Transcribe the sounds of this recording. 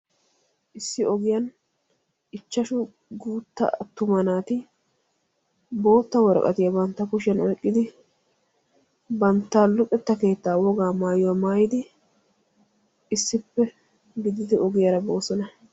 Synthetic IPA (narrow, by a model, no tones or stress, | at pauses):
ʔɪsːɪɔɡɪjɐn | ɪt͡ʃːɐʃʊ | ɡuːt̪ːɐ̰t̪ːʊmɐnaːt̪ɪ | bo̞ːt̪ːɐwɔɾ̰kʼɐ̰t̪ɪjɐbɐnt̪ːɐkʊʃɪjɐnɔjkʼːɪd̪ɪ | bɐnt̪ːaːlʊpʼɛt̪ːɐke̞ːt̪ːaːwɔɡaːmaːjɔwɐmaːjɪd̪ɪ | ɪsːɪpːɛ | ɡɪd̪ɪd̪ɛʔɔɡɪjɐɾɐbo̞ːsɔnɐ